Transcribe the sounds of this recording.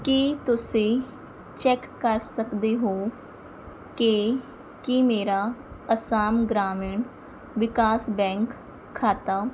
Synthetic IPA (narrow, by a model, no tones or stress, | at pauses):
kit̪ʊsẽː | t͡ʃɛːkːəɾsəkd̪eːɦoː | ke | kimeːɾaːəsaːmɡɾaːmɪɳ | ʋɪkaːsbɛ̃ːŋkʰː | aːt̪aː